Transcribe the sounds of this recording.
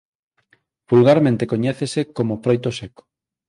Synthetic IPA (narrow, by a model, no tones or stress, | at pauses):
bulɣaɾmẽnt̪ekoɲɛθesekomofɾojt̪oseko̥